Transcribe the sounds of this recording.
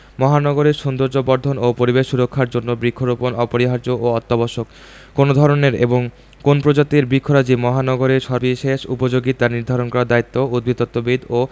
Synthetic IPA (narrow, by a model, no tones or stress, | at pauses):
mɔɦanɔɡoɾeɾʃund̪oɾd͡ʑobɔɾd̪ʱonopoɾibeʃːuɾokʰːaɾd͡ʑonːobɾikʰːoɾoponɔpoɾiɦaɾd͡ʑoʔoɔt̪ːobɔʃokː | onod̪ʱɔɾoneɾḛboŋ | konpɾod͡ʑat̪iɾbɾikʰːoɾad͡ʑimɔɦanɔɡoɾeɾʃɔɾbiʃeʃṵpod͡ʑoɡit̪aniɾd̪ʱaɾonkɔɾad̪ait̪ːoud̪̚bʱid̪ɔt̪ːobid̪ʱo